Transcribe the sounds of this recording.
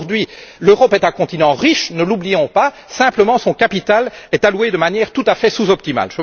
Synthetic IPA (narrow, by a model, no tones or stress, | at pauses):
ʁd̪ɥiløʁɔpɛt̪ɛ̃kɔ̃t̪inɑ̃ʁiʃnəlublijɔ̃pa | sɛ̃pləmɑ̃sɔ̃kapit̪alɛt̪alwed̪əmanjɛːʁt̪ut̪afɛsuzɔp̚t̪ima̰lʒə